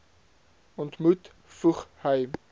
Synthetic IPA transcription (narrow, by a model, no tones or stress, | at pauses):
ɔntmut | fuχhəj